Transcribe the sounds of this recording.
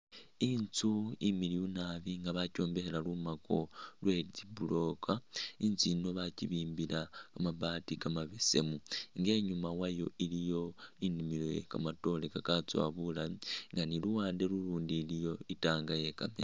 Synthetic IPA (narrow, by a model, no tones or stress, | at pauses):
int͡suimiliunaβiŋɡaβaco̞ːmbe̞helalumako̞lwe̞zibulo̞kʰaint͡sino̞βaciβiːmbilakamabaːtikamaβese̞̰muŋɡe̞ːɲumawajo̞̰ʔilijo̞inimilojḛkamato̞le̞kakat͡swa̰βulamiŋɡaniluwaːnde̞luluːndilijo̞itaːŋɡaje̞ka̰mḛ